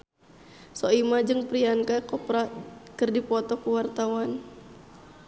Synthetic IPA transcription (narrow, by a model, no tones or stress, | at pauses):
sɔimad͡ʒɨŋpɾiankakɔpɾakɨrdipɔt̪ɔkuwart̪awan